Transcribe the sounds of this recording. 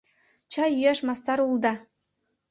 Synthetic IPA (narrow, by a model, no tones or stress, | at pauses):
t͡ɕɑjyjæʃmɑst̪ɑɾulˠd̪ɑ